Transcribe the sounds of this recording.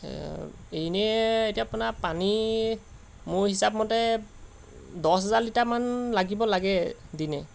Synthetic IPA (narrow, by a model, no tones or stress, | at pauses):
ejnɛejtiaapʊnapani | mʊɹhisapmɔtɛ | dɔsɦazaɹlitaɹmanlaɡibɔlaɡɛdinɛ